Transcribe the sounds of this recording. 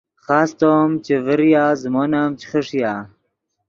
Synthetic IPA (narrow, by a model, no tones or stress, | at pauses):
χaːst̪oːmt͡ɕevəɾjaːzmonaːmt͡ɕʰi̥χəʂijaː